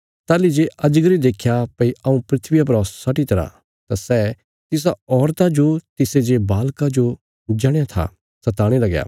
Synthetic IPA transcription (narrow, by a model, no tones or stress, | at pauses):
t̪aːlid͡ʒeʔɐd͡ʒɡəɾid̪eːkʰjapɐiɐũpɾɪt̪ʰʋɪjap̬ɾɔːssɐʈit̪ɐɾã̰ | t̪asɛ | t̪ɪs̬aɔːɾt̪ad͡ʒot̪ɪsed͡ʒebaːlkad͡ʒo | d͡ʒɐɽ̃jat̪ʰa̰ | sɐt̪aːɽ̃elɐɡja̰ː